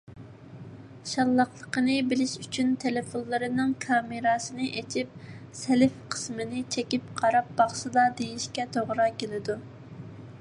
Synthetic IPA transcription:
ʃɑlˠːɑqlˠəqənɨbɪlɪʃyt͡ʃʰynt̪ʰelɪfonlˠɨɾɨnɨŋkʰɑmɨɾɑsɨnɨʔet͡ʃʰip̚ | sɛlɪfqʰə̥smɪnɪt͡ʃʰɛkʲip̚qʰɑɾɑp̚bɑχsɨd̪ɑd̪ejiʃkʲɛt̪ʰoʁɾɑkʲelɪd̪u

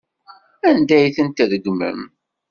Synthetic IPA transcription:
ænd̪æjθənt̪ðəɡmə̰m

